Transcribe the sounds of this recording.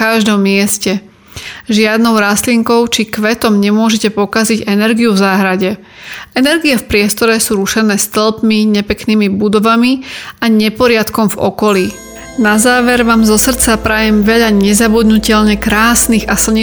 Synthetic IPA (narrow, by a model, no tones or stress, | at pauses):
kaʒd̪ɔmːɪɛscɛ | ʒɪad̪nɔʊɾasliŋkɔʊt͡ʃikʋɛt̪ɔmɲɛmʊɔʒɛcɛpɔkaziɟɛnɛɾɡiuvzaːɦɾaɟɛ | ɛnɛɾɡiɛfpɾɪɛst̪ɔɾɛsuːɾuʃɛnɛːst̪l̩pmiɲɛpɛkniːmibud̪ɔʋamiaɲɛpɔɾɪat̪kɔmvɔ̰kɔliː | nazaːʋɛɾʋaːmzɔsr̩t͡sapɾajɛmʋɛʎaɲɛzabud̪nucɛʎɲɛkɾaːsniɣasl̩ˠɲɛ